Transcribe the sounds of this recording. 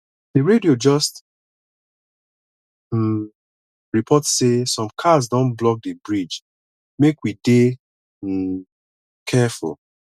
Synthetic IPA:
d̥eɹediod͡ʒɔst | ɹipʰɔtsesɔ̃mkʰazdɔ̃nblɔk̚debɹid͡ʒ | mekwide | kʰɛfṵl

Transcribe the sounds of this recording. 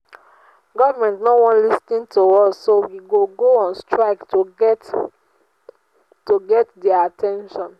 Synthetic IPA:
ɡɔvəmɛ̃ntnowɔ̃nlistĩntʰoɔsːowiɡoɡoɔ̃nstʰɹaɪktot | toɡɛtdɛaatʰɛ̃nʃɔ̃n

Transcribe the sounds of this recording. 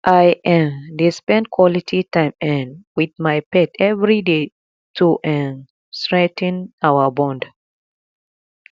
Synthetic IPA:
ʔajʔɛ̃mdispɛ̃ndkʰwɔlitʰitãɪ̃mɛ̃nwiðmajpɛtɛvɹide | tʰuʔɛ̃n | stɹɛ̃ŋt̪ɨ̃nawəbɔ̃nd

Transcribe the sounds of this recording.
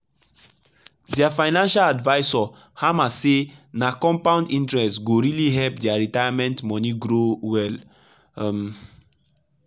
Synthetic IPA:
dɛafaɪnãnʃaladvaɪsɔ | hamasenakɔ̃mpãʊ̃ndĩntɹɛstɡoɹiliɦɛlpdɛaɹitajamɛ̃ntmɔniɡɹowɛl | m

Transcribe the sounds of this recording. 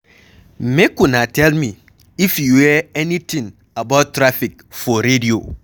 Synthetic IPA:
m̩mekunatɛlmi | ifjuwɛenitĩŋ | abattːɾafik̚ | fɔɾedio̰

